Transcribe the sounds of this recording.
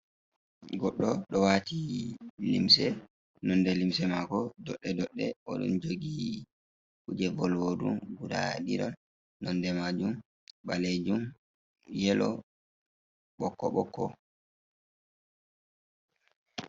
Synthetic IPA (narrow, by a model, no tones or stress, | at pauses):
ɡɔɗːɔɗɔwatilḭmsɛ | nɔndɛlimsɛmakɔdɔɗːɛdɔɗːɛʔɔɗɔ̰nd͡ʒoɡi | ʔud͡ʒɛbɔlwodṵmɡuda̰ɗiɾa | nɔndɛmad͡ʒum | ɓaled͡ʒum | jɛlɔ | ɓɔkːɔɓɔkːɔ